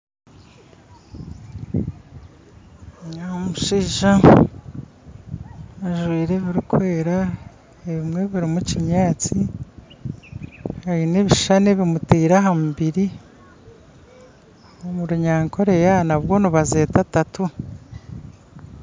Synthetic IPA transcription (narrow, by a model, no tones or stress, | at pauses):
aomuʃiːʒa | ʒwiːɾe̞βiɾikwe̞ːɾa | eβimŋe̞βiɾimucimɲaːt͡si | haineβiʃane̞βimutiːɾaɦamuβiɾi | omuɾuɲaːŋkʰo̞ɾe̞janaβwo̞nuβazeːtatatu